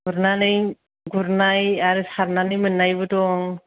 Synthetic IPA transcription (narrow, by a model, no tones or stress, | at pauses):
ɡuɾnanɯj | ɡuɾnajaɾɯsaɾnanɯjmɯnːajbɯtɔŋ